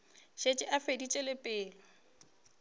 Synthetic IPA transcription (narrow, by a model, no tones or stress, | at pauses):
ʃet͡ʃʼɪʔafedit͡ʃʼelepʼɪːlɪ